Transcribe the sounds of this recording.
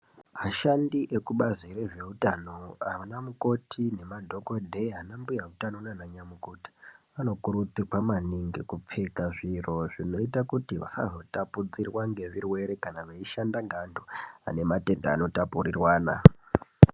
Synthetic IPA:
maʃandiʔe̞kuɓaziɾeʐe̞utano̞aanamuko̞tʰine̞madʱo̞kodʱeɦanambujautanonanaɲamukoti̥ʋano̞kuɾut͡sirwamaniŋɡikup͡fekaʐiro̞ʐino̞itakutiʋa̰sa̰zo̞tapud͡zirwaŋɡe̞ʐirwe̞ɾe̞kanaʋeiʃandaŋɡandʱoa̰ne̞mate̞nda̰ːno̞tapurirwaːna̰

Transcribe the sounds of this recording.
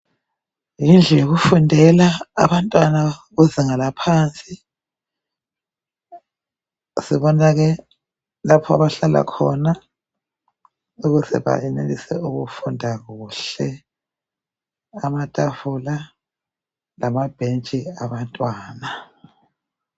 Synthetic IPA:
jind͡ɮʱɛjoɣufundʱɛla̰ːβantʼwanaɣuziŋalapʰaːnt͡sʼi | siβɔnaɣɛ | lapʰɔa̰βaɬala̰kʰɔ̰na | uɣuzɛ̰βa̰ɛnelisɛ̰ʔuɣufundʱaɣuːɬɛ | amatʼafula | lamab̥ʱent͡ʃʼiaβantʼwaːna

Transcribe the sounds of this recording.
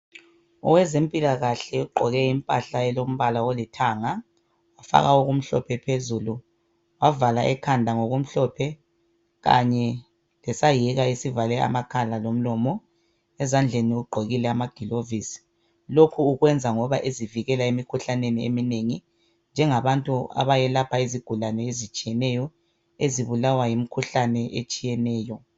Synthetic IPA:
ɔ̰wɛzem̩pʼilaɣaɬɛuǃɔɣɛimpʼaɬaɛlom̩βalawolitʰaːŋa | wafa̰ɣauɣum̩ɬɔ̰pʰɛpʰezulu | wavalaʔɛkʰandʱaŋoɣum̩ɬɔpʰɛ | ɣa̰ɲɛ | lɛsajiɣaisivalɛa̰makʰalalom̩lɔmɔ | ɛzand͡ɮʱeniuuɡ͡ǃʱoɣilɛamaɡ̥ʱilovisi̥ | lokʰuːɣwɛnd͡zʱaŋɔβaʔeziviɣɛlaemikʰuɬaneniḛmineŋi | nd͡ʒʱɛŋaβantʼua̰βajɛlapʰaeziɡ̥ʱulanɛezit͡ʃʼijɛnɛjɔ | eziβulawajimikʰuɬanɛʔet͡ʃʼijɛnɛːjɔ

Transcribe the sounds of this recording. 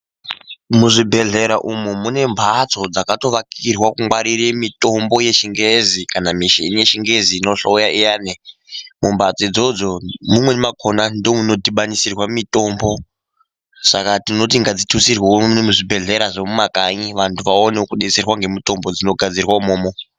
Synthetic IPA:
muʐibʱe̞ɮe̞ɾaʔumumune̞mbʱat͡so̞d͡zakato̞ʋakirwakuŋwaɾiɾemito̞mbo̞je̞ʃiŋɡezikanamiʃḛnije̞ʃiŋɡeziːno̞ɬoujaijaːnemumbʱat͡sid͡zo̞d͡zo̞mumwe̞makʰonandomuno̞diɓanisirwamito̞mbo̞ | sakatino̞t̬iŋɡad͡zitʰusirwenemuʐibʱe̞ɮe̞ɾaʐemumakaɲiʋantʰuʋaonekuɗet͡serwaŋɡe̞mito̞mbo̞d͡zino̞ɡʱad͡zirwaumoːmo

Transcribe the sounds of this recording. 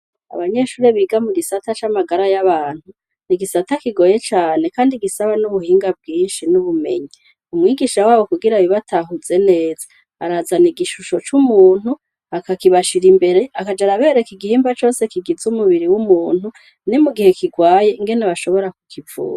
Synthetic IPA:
a̰βaɲe̞ʃuːɾeβiːɡamuɡisatat͡ʃamaɡaɾajaβaːn̥hu | niɡisatakiɡo̞je̞t͡ʃaːne̞kaːndiɡisaβanuβuhiːŋɡab̚ɡiːnʃinuβume̞̰ɲi | umŋiːɡiʃawaːβo̞kuɡiɾaβiβatʰaɦuze̞ne̞ːzḁ | a̰ɾazaniɡiʃuʃo̞t͡ʃumuːn̥hu | akakiβaʃiɾimbe̞ɾe̞akad͡ʒaɾaβe̞ːɾe̞kiɡihiːmbat͡ʃo̞ːse̞kiɡizumuβiɾiwumuːnhu | nimuɡihe̞kiɡwaːje̞iŋɡe̞neβaʃo̞βo̞ɾakukʰivṵːɾa

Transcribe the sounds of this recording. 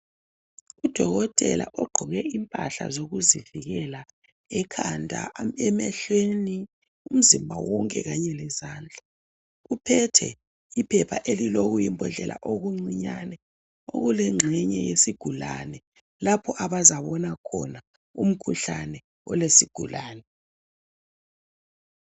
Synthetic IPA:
ud̥ʱɔɣɔtʼɛ̰lʔa̰ʔɔɡ͡ǃʱɔɣɛimpʼaɬa̰zoɣuziviɣɛla | ɛkʰandʱa̰ɛmɛɬweni | um̩zimbʱawɔŋkʼɛɣaɲɛlɛzaːnd͡ɮʱa | ɣupʰɛtʰɛ̰ | ipʰɛpʰa̰ʔeliloɣujimbʱɔɮɛlʔa̰ʔoɣuŋ͡ǀiɲanɛ | o̰ɣulɛŋ͡ǁʱɛɲɛjesiɡ̥ʱula̰nɛ | lapʰɔʔaβazaβɔnakʰɔ̰na | ṵm̩kʰuɬanɛ | ɔlesiɡ̥ʱulaːnɛ

